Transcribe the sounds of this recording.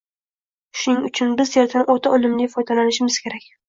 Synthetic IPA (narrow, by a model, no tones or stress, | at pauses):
ʃʊnɪŋʊt͡ʃʰʊnbɪzjeɾt̪ʰɪnʔot̪ʰaʔolɪmlɪfɒjd̪ʰalanɪʃɪmɪz̥kʲʰe̞ɾakʲ